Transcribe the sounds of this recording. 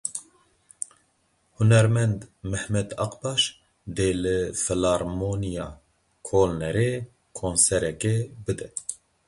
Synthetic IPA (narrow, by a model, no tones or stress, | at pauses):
hunɛɾmɛnd̪mɛhmɛd̪ɑqbɑːʃ | d̪eːlɨfɨlɑːɾmonijɑː | kʰolnɛɾe | kʰoːnsɛɾɛkɛbɨd̪ɛ